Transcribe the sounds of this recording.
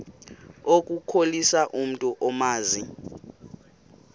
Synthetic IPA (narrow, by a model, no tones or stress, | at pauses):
ok̬ʼukʰolisaʔum̩tʼuʔɔmaːzi